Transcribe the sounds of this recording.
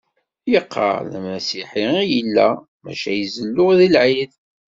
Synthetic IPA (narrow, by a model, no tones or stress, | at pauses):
jəqʰːə̰ɾlmæsiħiijəlːæ̰ | mæ̰ʃæjəzəlːʊʁðilʕið